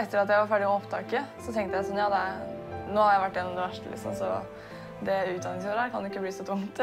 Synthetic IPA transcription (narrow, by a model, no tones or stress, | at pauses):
ɛt̪ːəɾɑt̪̬jæɪʋɑɾfæɖɪmɔɔpt̪ʰɑ̰ːkəsɔt̪ɛŋkt̪əjæɪsɔnjɑːd̪ɛnoːhɑɾjæɪʋæʈːɪjɛnːɔmd̪ɛʋæʂʈəlɪ̰ksɔ̰msɔ̰ | d̪ɛʉːt̪d̪ɑnɪŋsfoɾæːɾkʰɑnd̪ʉɪkːəbliːsɔt̪ʰʊmt̪